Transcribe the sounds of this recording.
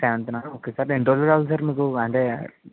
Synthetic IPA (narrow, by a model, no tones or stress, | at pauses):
seːʋɐnt̪unaːnoːkeːsaːɾeɳʈoːlukaːʋɐls̬aːɾmiːkuɐɳʈe̞ː